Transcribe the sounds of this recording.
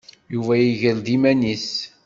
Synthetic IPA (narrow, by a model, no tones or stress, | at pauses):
juvæjiʝəld̪imænis